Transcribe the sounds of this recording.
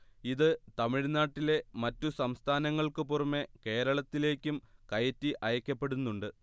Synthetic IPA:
iðɨt̪ɐmiɻnaːʈːile̞mɐtːusɐmst̪ʰaːnɐŋːɐɭkɨporɐmːe̞ke̞ːɾɐɭɐt̪ːile̞ːkʲːumkɐjɐtːiʔɐjɐkʲːɐpːe̞ɽunːuɳɖɨ

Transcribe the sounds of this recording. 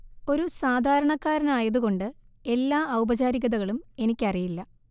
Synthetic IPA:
o̞ɾusaːd̪ʱaːɾɐɳɐkːaːɾɐnaːjɐðuɣo̞ɳɖɨe̞lːaːɐwbɐt͡ɕaːɾiɣɐðɐɣɐɭume̞nikʲːɐrijilːɐ

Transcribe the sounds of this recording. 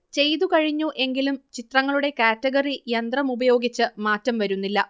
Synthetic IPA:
t͡ɕe̞jt̪ukɐɻiɲːuʔe̞ŋɡilumt͡ɕit̪rɐŋːɐɭuɽe̞kaːtːɐɡɐrijɐnd̪rɐmubɐjo̞ːɡit͡ɕːɨmaːtːɐmʋɐɾunːilːɐ

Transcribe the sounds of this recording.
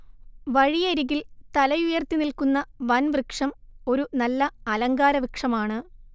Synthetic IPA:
ʋɐɻijɐɾiɣilt̪ɐlɐjujɐrt̪ːinilkunːɐʋɐnʋrɨkʂɐmo̞ɾunɐlːɐɐlɐŋɡaːɾɐʋikʂɐmaːɳɨ

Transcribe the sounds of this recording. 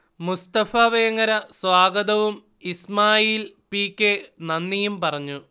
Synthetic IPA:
must̪ɐfaːʋɐjɐŋːɐɾɐswaːɡɐðɐʋum | ismaːjiːlpiːkːenɐnːijumpɐrɐɲːu

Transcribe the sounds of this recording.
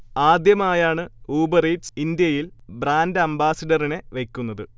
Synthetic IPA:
aːd̪jɐmaːjaːɳɨuːbɐrejʈsind̪jɐjilbraːndɨɐmbaːsɐɖɐrine̞ʋekʲːunːɐðɨ

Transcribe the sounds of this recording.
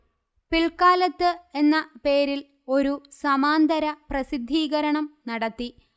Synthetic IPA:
piɭkaːlɐt̪ːɨe̞nːɐpe̞ːɾil | o̞ɾusɐmaːnd̪ɐɾɐprɐsid̪ʱːiːɣɐɾɐɳɐmnɐɽɐt̪ːi

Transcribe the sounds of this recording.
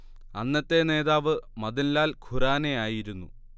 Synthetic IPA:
ɐnːɐt̪ːe̞ne̞ːðaːʋɨmɐðinlaːlkʰuraːnejaːjiɾunːu

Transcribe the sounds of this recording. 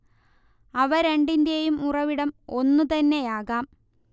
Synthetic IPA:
ɐʋɐɾeɳɖind̪jɐjumurɐʋiɽɐmo̞nːut̪ɐnːe̞jaːɣaːm

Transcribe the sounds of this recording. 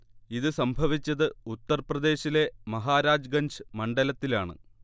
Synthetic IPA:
iðɨsɐmbʱɐʋit͡ɕːɐðɨut̪ːɐrprɐd̪e̞ːɕile̞mɐɦaːɾaːd͡ʑɡɐɲd͡ʑɨmɐɳɖɐlɐt̪ːilaːɳɨ̰

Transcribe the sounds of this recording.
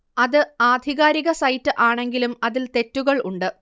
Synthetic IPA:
ɐðɨaːd̪ʱiɣaːɾiɣɐsɐjtːɨʔaːɳe̞ŋɡilumɐðilt̪e̞tːuɣɐɭuɳɖɨ

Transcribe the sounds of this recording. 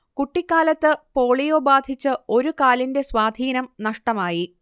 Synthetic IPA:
kuʈːikʲːaːlɐt̪ːɨpoːɭijoːbaːd̪ʱit͡ɕːɨo̞ɾukaːlinde̞swaːd̪ʱiːnɐmnɐʂʈɐmaːji

